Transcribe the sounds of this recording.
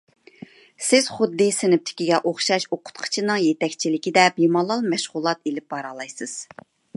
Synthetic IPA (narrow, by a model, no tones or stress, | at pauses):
sɪz̥χʊd̪ːɨsɪnɪp̚t̪ʰɪ̥kʲiɡʲɛʔoχʃɑʃoqʰʊ̥t̪qʰə̥t͡ʃʰinɨŋjet̪ɛkʲt͡ʃʰilɪkʲid̪ɛpjimɑlˠːɑlˠmɛʃʁʊlˠɑt̪elɪp̚bɑɾɑlˠɑjsɨz̥